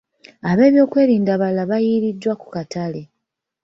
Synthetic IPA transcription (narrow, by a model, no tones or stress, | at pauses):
aβe̞ːβjo̞ːkwe̞ːɾiːndaβalaβajiɾidːwaku̥katale̞